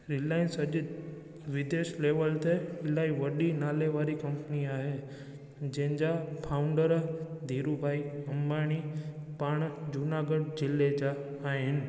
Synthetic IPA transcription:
ɾɪlaːɪnsɐʄ | ʋɪd̪eːʃleːʋəlt̪eɪlaːiʋəɗinaːleʋaːɾikɐmpəniaːɦe | d͡ʒẽɦɪ̃ɲd͡ʒapʰaːʊ̃ɳɖəɾd̪ʱiːɾubʱaːiɐmaːɽ̃ipaːɽ̃d͡ʒʊnaɡəɖ̚d͡ʑɪlːed͡ʑaː | ɦɪɪnɪ̆

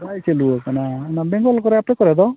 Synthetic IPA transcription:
ajseluokananabeŋɡɔlkɔɾeapnekɔɾɛd̪ɔ

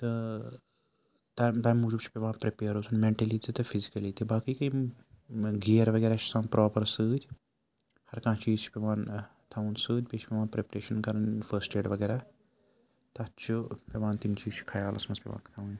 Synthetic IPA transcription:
t̪ɐ | t̪at̪aːmːud͡ʒubt͡ʃʰi̥pʲeʋaːnpɾepeːəɾosʰunmẽɳʈɐlit̪ʰit̪ɐfʰizikɐlit̪ibaːkiːkɐi | ɡijəɾʋɐɡeːɾaːt͡ʃʰi̥sãːnpɾʔɔːpɐɾsɨːt̪ʲ | hɐɾkãːt͡ʃiːzt͡ʃʰi̥peʋaːn | t̪ʰɐunsɨːd̪ʲpʲet͡ʃʰpʲeʋaːnpɾepɐɾeːʃɐnkɐɾɐnfɐsʈeːʈʋɐɡeːɾaː | t̪ɐt͡ʃʰupeʋaːnt̪int͡ʃiːzt͡ʃʰu̥kʰɐjaːlʔɐ̰smɐspʲeʋã̰ːkt̪ʰɐũn

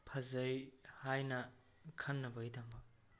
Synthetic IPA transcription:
pʰɐzɐjhajnɐ | kʰɐnːɐbɐjdɐmbɐ

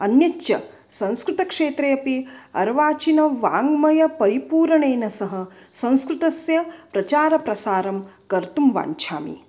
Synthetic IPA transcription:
ɐnjɐjɐ̰ | sɐ̃w̃skɾut̪ɐkʂeːt̪ɾejɐpiɐ̰ɾʋaːt͡ʃinɐʋaːŋɡmɐjɐpɐɾipuːɾɐɳeːnɐsɐɦɐ̆sɐ̃w̃skɾut̪ɐsjɐpɾɐt͡ʃaːɾɐpɾɐsaːɾɐmkɐɾt̪umʋa̰ːɲt͡ʃʰa̰ːmḭ

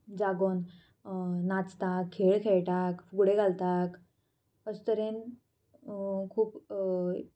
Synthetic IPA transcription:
d͡zaɡon | nat͡st̪akʰːeɭkʰeɭʈakfuɡɽeɡalt̪ak | əst̪əɾen | kʰuːp

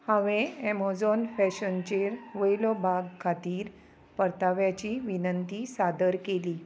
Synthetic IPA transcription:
hãʋẽɛmɔd͡zɔnfɛɕənt͡ɕeɾʋəjlɔbʱaɡkʰat̪iːɾ | pəɾt̪aʋjat͡ɕiʋinənt̪isad̪əɾkeliː

